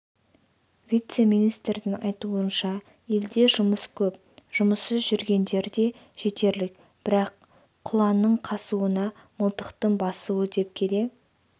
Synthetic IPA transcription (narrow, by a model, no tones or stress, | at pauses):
vʲijt̪se̞mijnijst̪ɾd̪ɪŋɑjt̪uənʃɑ | e̞ld̪e̞ʒʊməskʲʰɵp̚ | ʒ̥ʊməsːəzʒʏɾɡʲe̞nd̪e̞ɾd̪e̞ | ʒ̥e̞t̪e̞ɾlɪk | b̥ɪɾɑqʰː | ʊlˠɑnːəɴqʰɑsuwənɑ | məlˠt̪əqt̪əɴbɑsuwəd̪e̞p̚kʲʰe̞d̪e̞